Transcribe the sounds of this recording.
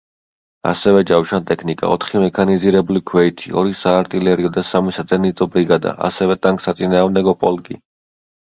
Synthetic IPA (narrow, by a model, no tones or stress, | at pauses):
a̰sɛvɛd͡ʒawʃant̪ʼɛkʰnikʼa̰ɔ̰t̪ʰχimɛkʰaniziɾɛbulikʰwɛit̪ʰiɔ̰ɾisaːɾt̪ʼilɛɾiɔd̪asamisazɛnit̪sʼɔbɾiɡad̪a̰ʔa̰sɛvɛt̪ʼaŋkʼsat̪sʼinaːʁmd̪ɛɡɔpʼɔlkʼḭ